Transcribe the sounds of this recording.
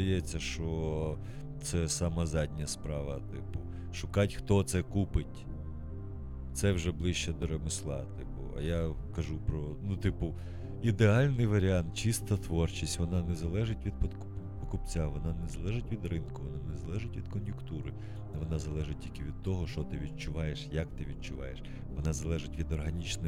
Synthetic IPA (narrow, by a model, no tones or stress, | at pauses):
ɐjɛt͡sʲːɐʃt͡ʃɔ | t̪sɛsɑmɐzɑdʲnʲɐspɾɑʋɐt̪ɪpʊ | ʃʊkɑtʲxt̪ɔt̪sɛkupɪtʲ | t̪sɛwʒɛblˠɪʃt͡ʃɛd̪ɔɾemɪslˠɑ̰t̪ɪpʊ̰ɐ̰jakɐʒupɾɔnut̪ɪpʊ | id̪eɑlʲnɪjʋɐɾʲɪɑnt̪̚t͡ʃist̪ɐt̪ʋɔrt͡ʃisʲtʲʋɔnɑnɛzɐlˠɛʒɪtʲʋʲid̪pɔkʊppɔkʊpt͡sʲaʋɔnɑnɛzɐlˠɛʒɪtʲʋʲid̪rɪnkʊʋɔnɑnɛzɐlˠɛʒɪtʲʋʲid̪kɔnjʊkt̪uɾɪ | ʋɔnɑzɐlˠɛʒɪt̚ʲtʲilʲkɪʋʲid̪̚t̪ɔɦɔʃɔt̪ɪʋʲid̪̚t͡ʃʊʋɑjeʃjɐkt̪ɪʋʲid̪̚t͡ʃʊʋɑ̰jeʃ | ʋɔnɑzɐlˠɛʒɪtʲʋʲid̪ɔrɦɐnʲit͡ʃnɪ